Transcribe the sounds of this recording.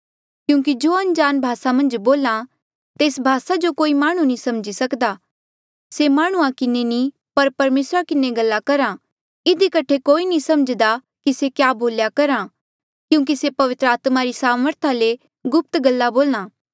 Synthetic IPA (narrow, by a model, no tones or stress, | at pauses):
kjũːk̬id͡ʒoːɐ̃nd͡ʒaːnbʱaːsamɐ̃nd͡ʒboːlã | t̪eːsbʱaːsad͡ʒokoːimaːɽ̃ũnĩsɐmd͡ʒisɐkd̪a | semaːɽ̃ũãkɪneni | pɐɾpɐɾmeːsɾakɪneɡɐlːakɐɾã | ɪd̪ikɐʈʰekoːinĩsɐməd͡ʒd̪a | kisekjaːboːljakɐɾã | kjũːkisepɐʋɪt̪ɾəaːt̪maɾisaːməɾt̪ʰale | ɡʊp̚t̪ɡɐlːaboːlñãː